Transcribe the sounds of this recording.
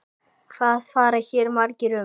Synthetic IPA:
θaðfaːɾaçɛːɾmaɾcɪɾʏ

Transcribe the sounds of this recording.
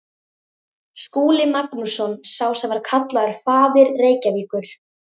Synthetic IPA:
skuːlɪmaknusɔnsaːwsɛmvaɾ̥kʰat̪laʏɾ̥faːðɪɾːeːjcaviːkʏɾ̥

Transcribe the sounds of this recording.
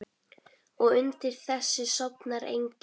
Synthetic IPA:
ɔɣʏnt̪ɪɾ̥θɛsːɪsɔpnaɾḛjɲc

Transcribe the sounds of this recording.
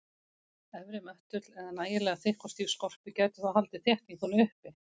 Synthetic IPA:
ɛvɾɪmœht̪ʏt̪lɛðanaːjɪlɛːɣaθɪhkɔst̪iːɾ̥skɔr̥pɪcaːɥt̪ʏ̥θaðhalt̪ɪθjɛht̪niŋθunʏhpɪ

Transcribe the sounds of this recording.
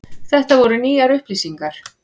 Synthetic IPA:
θɛht̪avɔɾʏniːaɾʏhplisiŋkaɾ̥

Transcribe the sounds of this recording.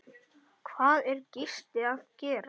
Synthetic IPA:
kʰvaːðɛɾcɪr̥t̪ɪaðcɛːɾa

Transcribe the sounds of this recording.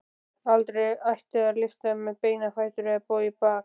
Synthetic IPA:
alt̪ɾɛajht̪ɪaɾlɪft̪amɛpeːjnafajt̪ʏɾɛpɔipaːk

